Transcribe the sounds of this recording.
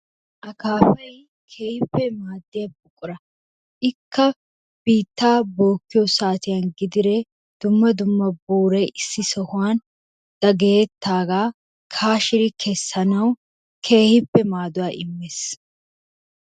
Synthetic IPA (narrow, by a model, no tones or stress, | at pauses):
ʔɐkaːfɐj | kʰe̞ːhɪpːɛmaːd̪ːɪjɐbʼʊkʼːʊɾɐ | ʔɪkːɐ | b̥iːt̪ːaːboːkːɪjɔsaːt̪ɪjanɡɪd̪ɪɾɛ | d̪̥ʊmːɐd̪ʊmːɐbuːɾɛjʔɪsːɪsɔhʊwaːn | d̪̥ɐɡejɛt̪ːaːɡaː | kʰaːʃɪɾɪkʰɛsːɐnɐw | kʰe̞ːhɪpːɛmaːd̪ʊwaːʔɪmːes